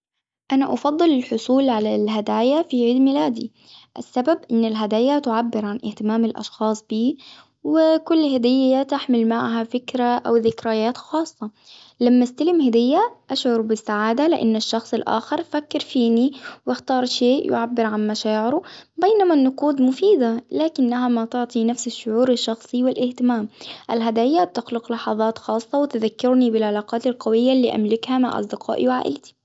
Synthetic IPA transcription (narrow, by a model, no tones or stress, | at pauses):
ʔanaʔɑfɑd̪ˤːɨlɪlħʊsˤuːlʕalalɦad̪aːjafiʕiːd̪mɪlaːd̪ḭ | ʔasːababʔɪnːɪlɦad̪aːjat̪ʊʕabːɪɾʕanʔɪht̪ɪmaːmɪlʔɑ̰ʃxɑːsˤb̥iː | wɪkʊlːhad̪ɪjːat̪aħmɪlmaʕɦafɪkɾaʔawðɪkɾajaːt̪xɑːsˤːɑ | lamːast̪alɪmhad̪ɪjːaʔaʃʕʊɾbɪsːaʕaːd̪alɪʔa̰nːaʃːɑxsˤɪlʔa̰ːxɪɾfakːɪɾfiːniwɪxt̪ɑːɾˤʃeːʔjʊ̰ʕabːɪɾʕanmaʃaːʕɪɾubejnamanːʊquːd̪mʊfiːd̪alaːkɪnːahamat̪ʊʕt̪ˤinafsɪʃːʊʕuːɾɪʃːɑxsˤiwɪlʔɪht̪ɪmaːmʔalɦad̪aːjːat̪ɪxlɪqlɑħɑðˤɑːt̪xɑːsˤːɑwɪt̪ɪðakːɪɾnibɪlʕalɑːqɑːt̪ɪlqɑwɪjːalːiːʔa̰mlɪkhamaʕʔɑ̰sˤd̪ɪqʰɑ̰ːʔḭwʕa̰ːʔɪ̰lt̪i̥